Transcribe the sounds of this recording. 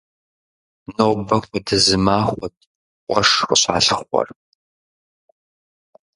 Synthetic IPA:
nobɐxʷɔdɨzɨmaːχʷɔtʰʼ | qʷʼɔʂxəɕa̰ːɬɨχʷɔ̰r

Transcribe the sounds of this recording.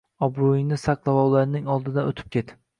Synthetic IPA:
ɒbɾojɪŋnɪsaqlˠavɒwlˠaɾnɪŋɒlˠd̪ɪd̪anot̪ʰɪ̥p̚kʲe̞t̪

